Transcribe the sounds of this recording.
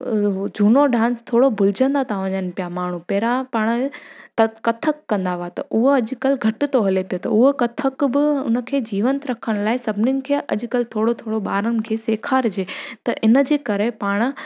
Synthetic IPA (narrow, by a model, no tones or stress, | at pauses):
d͡ʑʱuːnoɖãːnst̪ʰoːɽobʱʊlɪd͡ʑə̃nd̪at̪ʰaʋɐ̃ɲən̆pijamaːɳ̤upɛːɾapaːɽ̃t̪ɐkɐt̪ʰəkːɐ̃nd̪aʋat̪ɐʔʊɦoɐʄkɐlɡʱɐʈɪt̪oɦɐlepijot̪ɐʊɦokɐt̪ʰəkbɪʊ̰nə̆kʰeːd͡ʑiːʋə̃nt̪ɾɐkʰəɽ̃laːɪsɐbʱɪnɪnɪ̆kʰeːʔɐ̰ʄkəlt̪ʰoːɽot̪ʰoːɽoɓaːɾənɪ̆kʰeːseːkʰaːɾd͡ʑeːt̪ɐʔɪnəd͡ʑeːkɐɾepaːɽ̃̆